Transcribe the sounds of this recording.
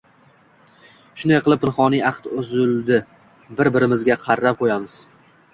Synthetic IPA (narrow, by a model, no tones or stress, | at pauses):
ʃʊnd̪ajqʰɨlˠɪp̚ːɪnχɒnijɑqt̪ʊzʊlˠd̪ɪ | bɪɾbɪɾɪmɪzɡʲaqʰɑɾːap̚qʰojamɪz̥